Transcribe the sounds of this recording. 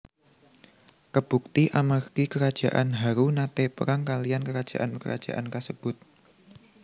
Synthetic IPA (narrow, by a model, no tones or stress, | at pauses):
kəb̥ṳk̚t̪iʔamərkikəɾad̥ʒ̥a̤ʔanɦaɾunat̪epə̰ɾaŋkaliankəɾad̥ʒ̥a̰ʔankə̰ɾa̰d̥ʒ̥a̰ʔankasəb̥ʊt̪̚